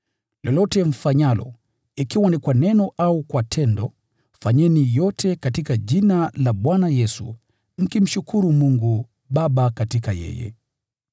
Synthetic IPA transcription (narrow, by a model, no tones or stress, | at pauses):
lɔlɔtɛm̩faɲalɔ̰ | ikiwanikwanɛnɔʔaukwatʰɛndɔ | faɲɛnijɔtʰɛkatikaʄinalaɓwanajɛsṵ | m̩kim̩ʃukuɾumuŋɡu | ɓaɓakatikajɛ̰jɛ̰